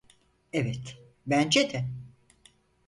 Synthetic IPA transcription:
evɛt̪ | bænd͡ʒet̪ʰæn

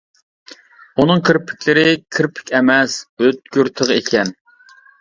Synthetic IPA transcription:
unɨŋkʰɨɾpʰɪ̥kʲʰlɪɾɪkʲʰiɾpʰɪ̥kʲɛmɛsøt̪̚ɡʲyɾt̪ʰəʁekʲʰɛn

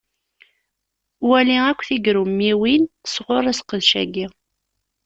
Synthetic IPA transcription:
wæliækʷːθiɡɾumːiwinθə̥sʁoɾˤæsqəðʃæ̰ɡi

